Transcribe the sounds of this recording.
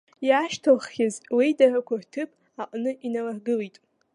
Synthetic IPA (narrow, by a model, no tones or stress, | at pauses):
jaʃtʰalχːʲazwidaʕʷakʷʰartʰɨpʼ | aqʼnɨʔinalaħɡɨlitʼ